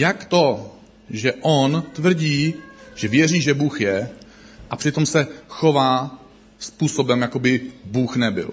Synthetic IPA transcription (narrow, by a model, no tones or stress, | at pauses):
jakt̪o | ʒɛʔont̪vr̩ɟiːʒ̥ɛvjɛriːʒɛbuːxjɛ | ʔapr̥ɪt̪o̞msɛxo̞vaː | spuːso̞bɛmjakobɪbuːxnɛbɪ̰l